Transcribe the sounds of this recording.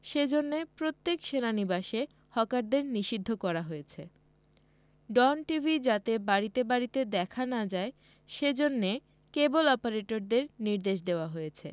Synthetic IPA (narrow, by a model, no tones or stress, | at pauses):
ʃed͡ʑonːepɾot̪ːekʃenanibaʃe | hɔkaɾd̪eɾniʃid̪ʱːokɔɾaɦojet͡ɕʰḛ | ɖɔnʈivʱid͡ʑat̪ebaɾit̪ebaɾit̪ed̪ɛkʰanad͡ʑae | ʃed͡ʑonːe | kebolɔpaɾeʈoɾd̪eɾniɾd̪eʃ̬d̪eoaɦojet͡ɕʰḛ